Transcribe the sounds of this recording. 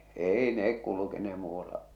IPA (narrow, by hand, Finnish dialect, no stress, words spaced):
eˑi nek kulukenehe̥ muːɑlːɑ